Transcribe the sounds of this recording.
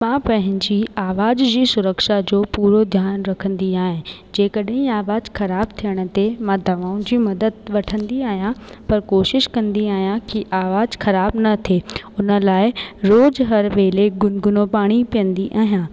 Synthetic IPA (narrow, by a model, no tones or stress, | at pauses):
mãːpɐ̃ɦɪ̃ɲd͡ʑiaːʋaːd͡ʑd͡ʑiːsʊɾəkʃad͡ʑoːpuːɾod̪ʱjaːnɾɐkʰə̃nd̪iaːɦɪ̃d͡ʑeːkɐɗɦĩaːʋaːzxɐɾaːb̚t̪ʰijəɽ̃ə̆t̪emãd̪ʱɐʋaːʊ̃d͡ʑiːmɐd̪əd̪̚ʋɐʈʰə̃nd̪iaːɦijãpɐɾkoːʃɪʃkɐ̃nd̪iaːɦijãkiʔaːʋaːzxɐɾaːbnɐt̪ʰeːʊnə̆laːɪɾoːd͡ʑɦɐɾʋeːleɡʊnɡʊnõpaːɽ̃ipijə̃nd̪iʔaːɦijãː